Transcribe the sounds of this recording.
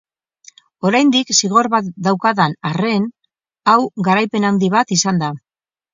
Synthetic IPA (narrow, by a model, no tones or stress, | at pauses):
o̞ɾajnd̪iksiɣ̞o̞ɾβat̪d̪awkaðanare̞n | awɣaɾajpe̞nawnd̪iβ̞at̪isand̪a